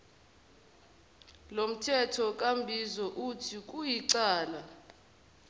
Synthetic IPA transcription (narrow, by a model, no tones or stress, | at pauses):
lom̩tʰɛtʰɔk̬ʼambʱizɔʔutʰik̬ʼujiǀaːla